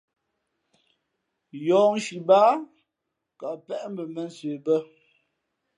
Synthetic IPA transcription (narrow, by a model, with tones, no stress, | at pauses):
jɔː˨n̩˦ʃi˨ba˦ | ka˨pɛ˦ʔm̩˦bə˨mə˦˨n̩˦sɥe˨bə˦